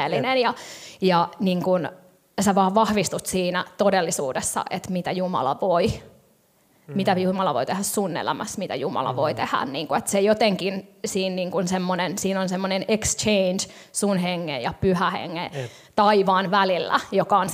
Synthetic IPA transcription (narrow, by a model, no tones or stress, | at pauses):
elːinenjɑjɑniːŋkun | seʋɑːʋʋɑhʋist̪ut̪siːnæt̪odelːisuːdesːɑ̰ʔet̪mit̪æjumɑ̰lɑ̰ʋoi | mit̪æjumɑlɑʋo̰it̪ehæssunːḛlæ̰mæsmit̪æ̰jumɑ̰lɑ̰ʋoit̪ehæ̰nniːŋkuet̪sejot̪eŋkinsiːnniːŋkunsemːonensiːnonsemːonenekst͡ʃeind͡ʒ | sunɦeŋːḛjjɑpyhæhḛŋːḛ | t̪ɑiʋɑːnʋælilːæ̰jokɑon